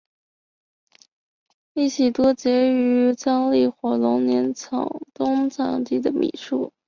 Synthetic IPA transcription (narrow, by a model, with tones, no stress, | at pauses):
li˥˩ɕʰi˨˩t̪wɔ˥t͡ɕjɛ˧˥y˧˥t͡sɑ˥ŋli˥˩xwɔ˧˥lʊ˧˥ŋnjɛ˧˥nt͡sʰɑ̰˨˩ŋt̪ʊ˥ŋt͡sʰɑ˨˩ŋt̪i˥˩d̪ə˩mḭ˨˩ʂu˥˩